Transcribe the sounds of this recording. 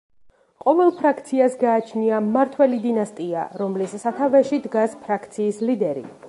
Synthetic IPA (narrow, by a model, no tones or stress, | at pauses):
qʼɔvɛlˠpʰɾakʰt̪sʰiasɡaːt͡ʃʰniamaɾt̪ʰwɛlid̪inast̪ʼia̰ɾɔmlisːat̪ʰavɛʃid̪ɡaspʰɾakʰt̪sʰiːslid̪ɛɾḭ